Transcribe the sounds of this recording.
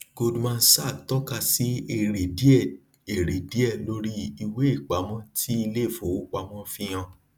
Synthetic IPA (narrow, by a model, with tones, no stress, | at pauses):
ɡo˧dmã˧n̩˦sa˦˨tɔ˦ka˧si˦e˦˨ɾe˨di˦ɛ˦˨ | e˨ɾe˨di˨˦ɛ˦˨lo˦ɾi˦i˧we˦i˦˨k͡pa˨˦mɔ̃˦tʰi˦i˧le˦˨fo˨˦k͡pa˨˦mɔ̃˦fĩ˦˧j̃ã˧